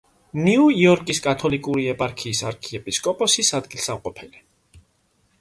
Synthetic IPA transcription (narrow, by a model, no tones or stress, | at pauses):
niuiɔɾkʼiskʼat̪ʰɔlikʼuɾiɛpʼaɾkʰiːsaɾkʰiɛpʼiskʼɔpʼɔsisad̪ɡilˠsamqʼɔpʰɛli